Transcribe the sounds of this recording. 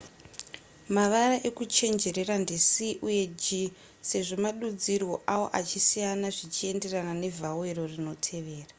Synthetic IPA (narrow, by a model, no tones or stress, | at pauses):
maʋaraʔe̞kut͡ʃe̞nd͡ʒe̞ɾe̞randisiʔuje̞d͡ʒi | se̞ʐo̞maɗud͡zirwo̞ʔawo̞̰ʔat͡ʃisijanaʐit͡ʃie̞nde̞ranane̞vʱawe̞ro̞rino̞tʰe̞ʋe̞ːra